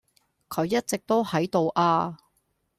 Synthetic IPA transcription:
kʰɵ˨˧ɥjɐ˥t̚t͡sɪ˨k̚t̪o˥whɐ˨˥jt̪o˨wʔaː˧

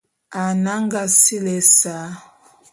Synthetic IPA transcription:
a˨na˦ŋɡa˨si˦lɛ˨sa˨˦

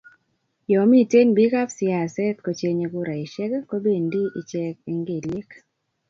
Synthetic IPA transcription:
jɔ˨mi˦te˦nbi˦ka˦psɪ˨˦a˨sɛ˦t̪ko˨t͡ʃe˦ɲe˧ɡʊ˦ɾa˨i˨ʃɛ˦ɡɛ˦ko˦be˦˨ndi˦i˨t͡ʃɛ˦k̚i˨˦ŋɡe˨le˦k

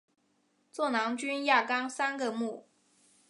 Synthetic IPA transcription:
t͡swɔ˥˩nɑ˧˥ŋt͡ɕy˥nja˥˩kɑ˥ŋsa˥nɡə˨mu˥˩

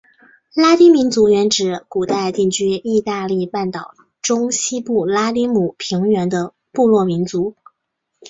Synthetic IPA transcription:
la˥t̪i˥mi˧˥nt͡su˧˥ɥɛ˧˥nʈ͡ʂɻ̩˨˩ku˨˩t̪a˥˧ɪt̪i˥˩ŋt͡ɕʰy˥i˥˧t̪a˥˧li˥˧pa˥˩nt̪ɑ˨˩ʊ | ʈ͡ʂʊ˥ŋɕi˥pu˥˩la˥t̪i˥mu˨˩pʰi˧˥ŋɥɛ˧˥nd̪ə˧ | pu˥˧lwɔ˥˩mi˧˥nt͡su˧˥

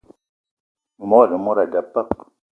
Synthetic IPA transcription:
ŋu˨mo˦a˨ɗə˨mu˦ɾa˨da˨pːa˦k

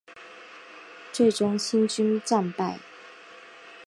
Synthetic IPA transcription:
t͡swe˥˩ɪʈ͡ʂʊ˥ŋɕi˥nt͡ɕy˥nʈ͡ʂa˥˧npa˥˩ɪ

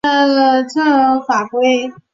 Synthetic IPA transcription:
ə˧t͡sʰə˥˧fa˨˩kwe˥ɪ

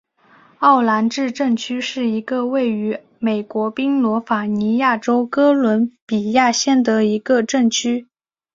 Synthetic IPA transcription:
ɑ˥˩ʊla˧˥nʈ͡ʂɻ̩˥˧ʈ͡ʂɤ˥˩ŋt͡ɕʰy˥ʂɻ̩˥˩i˧˥ɡə˧we˥˩ɪy˧˥ | me˨˩ɪkwɔ˧˥pi˥ŋlwɔ˧˥fa˨˩ni˧˥ja˥˩ʈ͡ʂo˥ʊkɤ˥lwə˧˥npi˨˩ja˥˧ɕjɛ˥˩nd̪ə˩i˧˥ɡə˧ʈ͡ʂɤ˥˩ŋt͡ɕʰy˥

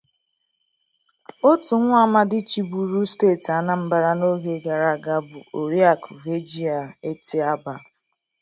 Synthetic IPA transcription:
o˦tʊ˨ŋʷʊ˦a˦ma˦dɪ˦t͡ʃi˦bu˨ɾu˦steː˦˨ta˨na˦m̩˦ba˦ɾa˦no˦ɦe˦ɡa˨ɾa˨ɡa˦bʊ˨o˨ɾi˦a˨ku˨ve˦d͡ʒi˦a˨e˦tʰɪ˦a˦ba˨

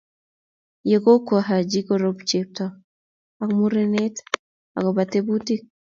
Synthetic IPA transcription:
je˨ko˦ka˨ɦa˨d͡ʒi˦ko˨ɾo˦pt͡ʃep̚tɔ | a˨kmu˦ɾene˦t̪ | a̰˨ko˨ba˨t̪e˦bu˦ti˦k̚

